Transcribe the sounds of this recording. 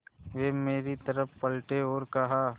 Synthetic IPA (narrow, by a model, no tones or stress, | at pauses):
ʋeːmeːɾit̪ɐɾəppɐlʈeɔːɾkɐɦaː